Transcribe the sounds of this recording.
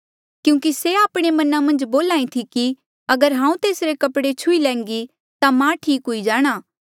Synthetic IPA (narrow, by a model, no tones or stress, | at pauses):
kjũːkiseaːpɽ̃emɐnamɐ̃nd͡ʒboːlaːĩt̪ʰiki | ɐɡəɾɦãːũt̪eːsɾekɐpɽet͡ʃʰʊilɛ̃ːŋ̆ɡi | t̪amãʈʰiːkɦʊid͡ʒaːɽ̃aː